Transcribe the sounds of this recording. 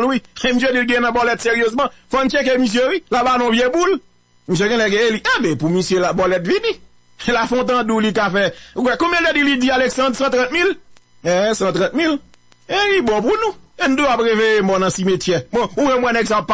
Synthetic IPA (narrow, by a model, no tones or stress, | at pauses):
lwiemis̬edilɡɛ̃ɛ̃nɐ̃bɔlɛt̪seɣijøzmʌ̃fɔn̩t͡ʃek̬emis̬jewilabanɔ̃vjebul | mis̬jeɡɛ̃lɛɡɛ̃eliebɛ̃pumisjølabɔlɛt̪vĩni | lafɔ̃t̪̬ãdulikafɛuwɛkõmjɛ̃ledilidialeksɑ̃dsãt̪ʁãt̪̚mil | ɛ̃sãt̪ʁãt̪mil | elibɔ̃p̬unũen̩d̪uapɣeveemɔnɐ̃simetjɛmɛ̃uwɛmwɛ̃nɛɡsãppː